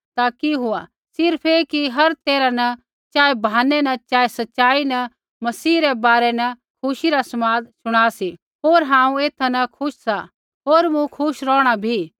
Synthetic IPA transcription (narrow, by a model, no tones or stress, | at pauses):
t̪aːkiɦʊa | sɪɾpʰekiɦɐɾt̪eːɾanɐ | t͡ʃaːebʱaːnɛnɐt͡ʃaːesɐtːʃaːinɐ | mɐsiːɾɛbaːɾɛnɐ | kʰʊʃiɾasɐmaːd̪sʊɽ̃aːsi | ɦoːɾɦãːũeːt̪ʰanɐkʰʊʃsa | ɦoːɾmũkʰʊʃɾɔ̃ːɽ̃abʱi